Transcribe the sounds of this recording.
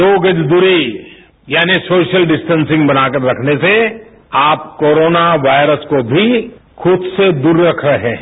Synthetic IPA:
oːɡəd͡ʒd̪ʊɾi | jaːnisoːʃəlɖɪsʈə̃nsɪ̃ŋɡbɐnaːkəɾːɐkʰnese | aːpkoːɾoːnaʋaːɪɾəskobʱixʊd̪sed̪uːɾːɐkʰɾeɦɛ̃ː

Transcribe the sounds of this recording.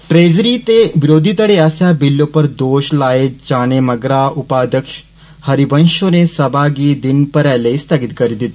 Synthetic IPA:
ʈɾeːzɾit̪eʋɪɾoːd̪ʱit̪ɐɽeaːsjabɪlːõpɐɾd̪oːʃlaːed͡ʒaːnemɐɡɾaːʊpaːd̪əkʃ | hɐɾibə̃nʃõnesɐbʱaɡid̪ɪnpɐɾɛːleist̪ʰɐɡɪt̪kɐɾid̪ɪt̪

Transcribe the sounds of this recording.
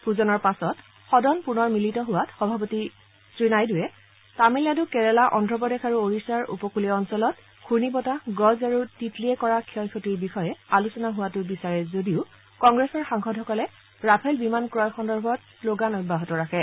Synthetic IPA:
puzɔnɔɹpasɔt | xɔdɔnpunɔɹmilitɔɦʊwatxɔbʱapɔti | sɹinajdʊjɛ | tamiladʊkɛɹɛlaʔɔndʱɹɔpɔdɛkʰaɹuoɹisaɹʔṵpɔkulɛɔnsɔlɔt | kʰuɹnipɔtaɡɔzaɹutitliɛkɔɹakʰiɔjkʰotiɹbixɔjɛalusɔnaɦʊwatʊbisaɹɛzodiʊ | kɔŋɡɹɛsɔɹxaŋxʰɔdʱɦɔkɔlɛ | ɹapʰɛlbimankɹɔjxɔndɔɹbʱɔtsloɡanɔj̚baɦɔtɔɹakʰɛ

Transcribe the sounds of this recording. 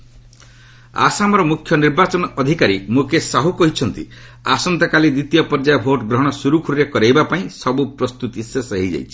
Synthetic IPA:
a̰samɔɾɔmukʰːjɔniɾbat͡ʃɔnɔɔd̪ʱikaɾimukesaɦukɔɦit͡ʃʰɔnt̪ḭasɔnt̪ɔkalid̪it̪ijɔpɔɾd͡ʒajɔbʱoʈɡɾɔɦɔɽ̃ɔsuɾukʰuɾiɾekɔɾejbapaĩsɔbupɾɔst̪ut̪isesɔɦid͡ʒa̰jt͡ʃʰi̥

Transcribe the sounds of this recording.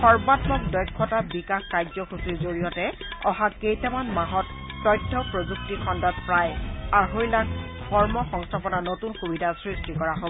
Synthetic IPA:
xɔɹbadbɔk̚dɔjkʰːɔtabikaxkajzɔxusiɹzoɹijɔtɛ | ɔɦakejtamanmaɦɔtː | ɔjdʰʱːɔpɹozuk̚tixʰɔndɔtpɹajaɦojlak | kɔɹmɔxɔŋstʰapɔnanotunxubidʱasɹistikɔɹaɦoɔ

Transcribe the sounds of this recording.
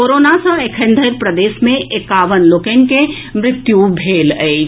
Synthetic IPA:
koːɾoːnasə̃ekʰə̃nd̪ʱəɾpɾəd̪eːʃmẽʔekaːʋənlokenke | mɾɪt̪jubʱeːləː

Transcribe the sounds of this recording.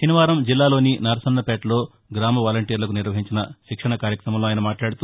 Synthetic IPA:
ʃiniʋaːɾɐmd͡ʒilːaːlo̞ːninɐːɾɐsɐnːɐpeːʈlo̞ː | ɡɾaːmɐʋaːlɐɳʈiːɾlɐkuniɾʋɐɦiɲt͡ʃinɐʃikʂɐɳɐkaːɾjɐkɾɐmɐmloaːjinɐmaːʈlaːɽut̪u

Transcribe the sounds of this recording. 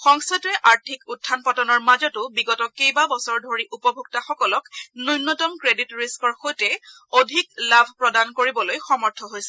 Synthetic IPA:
xɔŋstʰatɛʔaɹtʰikutdʰʱːanpɔtɔnɔɹmazɔtʊbiɡɔtɔkejbabɔsɔɹdʱoɹiʔupɔbʱuɡ̚taxɔkɔlɔknujnːɔtɔmkɹeditɹiskɔɹxojtɛ | odʱiklabʱpɹɔdankoɹibɔlojxɔmɔɹtʰɔɦojsɛ

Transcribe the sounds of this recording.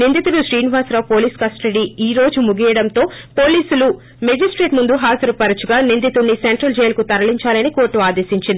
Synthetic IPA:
nind̪it̪uluʃɾiːnʋaːsɾapo̞ːliːskɐsʈɐɽiiːɾo̞ːd͡ʒumuɡijɐɽɐnt̪o̞ːpoːliːsulu | med͡ʒisʈɾe̞ːʈmund̪uɦaːd͡ʒɐɾupɐɾɐt͡ʃuɡaːnind̪it̪unːiseɳʈɾɐld͡ʒɛjlɐkut̪ɐɾɐliɲt͡ʃaːlɐnikoːɾʈːuaːd̪eːsiɲt͡ʃind̪i

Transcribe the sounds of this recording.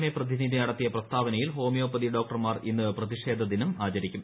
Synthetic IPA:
neprɐðinid̪ʱiɐɽɐt̪ːijɐprɐst̪ʰaːʋɐnɐjilɦo̞ːmijo̞ːpːɐðiɖo̞ːk̚ʈɐrmaːrinːɨprɐðiʂe̞ːd̪ʱɐðinumaːt͡ɕɐɾikʲːum

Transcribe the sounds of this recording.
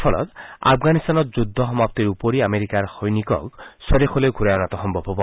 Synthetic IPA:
pʰɔlɔ̰t̪a̰pʰɡanist̪anɔtd͡ʒud̪ʱːɔɦɔmap̚t̪iɾupoɾiameɾikaɾhɔjnikɔ̰ksɔɾexʰɔleɡʱuɾajɔnat̪ɔɦɔmbʱɔbʱɔbɔ

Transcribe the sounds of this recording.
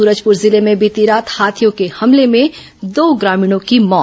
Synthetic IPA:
uːɾəd͡ʒpʊɾzɪlemẽbit̪iɾaːt̪haːt̪ʰijõkehɐmlemẽ | d̪oːɡɾaːmiːɽ̃õkimɔː

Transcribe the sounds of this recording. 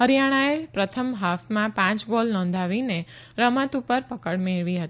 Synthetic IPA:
ɦəɾjaɽ̃aepɾət̪ʰəmɦafmãpãt͡ʃbɔlnɔ̃nd̪ʱaʋine | ɾəmət̪upəɾpəkəɽmeɭʋiɦət̪i

